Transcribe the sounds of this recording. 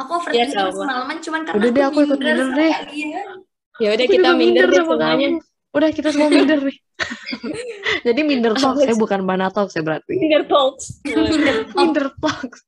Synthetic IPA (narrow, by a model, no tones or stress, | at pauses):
akufərjasamaləmant͡ʃumankaudahdɛhakuikʊt̪̚mindərdɪh | jaudakiamiindədəraəŋaɲa | udahkit̪as̬əmuamindərnɪh | d͡ʒadimindərt̪ɔk̚sajabukanbanat̪ɔk̚sajabəɾat̪iindərt̪ɔk̚səmindərt̪ɔks